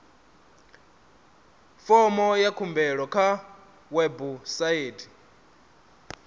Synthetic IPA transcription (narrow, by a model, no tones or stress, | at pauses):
fɔmɔjakʰumbɛɺɔkʰa | wɛbusaeːtʰi̥